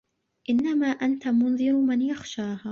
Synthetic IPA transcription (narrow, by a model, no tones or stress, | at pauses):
ʔɪnːamaːʔant̪amʊnðˤɨɾmanjaxʃaːɦaː